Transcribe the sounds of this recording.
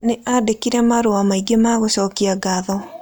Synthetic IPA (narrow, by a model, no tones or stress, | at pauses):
neʔadekiɾɛmaɾoamaiɡemaɣoɕɔːkiaɡaðɔ